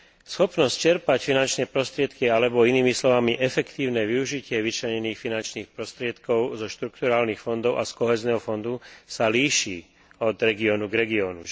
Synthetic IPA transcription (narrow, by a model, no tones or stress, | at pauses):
sxɔpnɔsct͡ʃɛɾpacfinant͡ʃnɛːpɾɔst̪ɾɪɛt̪kialɛbɔiniːmislɔʋamiʔɛfɛkt̪iːʊnɛːʋiuʒicɪɛʋit͡ʃlɛɲɛniːxfinant͡ʃniːxpɾɔst̪ɾɪɛt̪kɔʊzɔʃt̪ɾukt̪uɾaːlniːxfɔnd̪ɔʊʔaskɔɦɛːznɛɦɔfɔnd̪usaliːʃiː | ɔd̪ɾɛɡiɔːnuɡɾɛɡiɔːnu